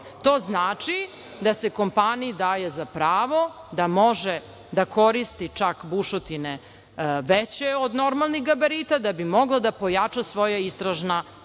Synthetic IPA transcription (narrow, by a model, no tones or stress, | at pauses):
t̪oːznaːt͡ʂi | d̪ase̞ko̞mpaniid̪aːjezapɾaːʋo̞d̪amo̞ʒe | d̪ako̞ɾist̪it͡ʂakbuʃot̪ine | ʋet͡ɕeod̪no̞ɾmalˠniɣɡabaɾiːt̪ad̪abimo̞ɡlˠad̪apo̞jat͡ʂasʋo̞jaist̪ɾaʒna